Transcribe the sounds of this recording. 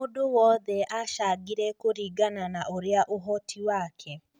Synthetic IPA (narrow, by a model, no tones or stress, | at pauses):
odowɔðɛʔaʃaɡiɾɛkoɾiːɡananaʔoɾeaʔoɦɔtʰiwaːkʰɛ